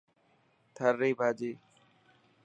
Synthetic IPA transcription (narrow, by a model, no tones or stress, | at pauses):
t̪ʰəɾːeːbʱaːd͡ʒeː